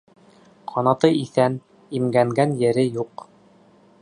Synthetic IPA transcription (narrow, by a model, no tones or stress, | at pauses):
qʰɑnɑt̪ɤiθæn | imɡæŋɡænjɘ̆ɾɘjuq